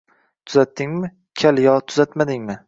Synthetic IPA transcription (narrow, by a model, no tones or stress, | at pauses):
t̪ʰʊzat̪ːɪŋmɪ | kʲʰaljɒt̪ʰʊzat̪mad̪ɪŋmɪ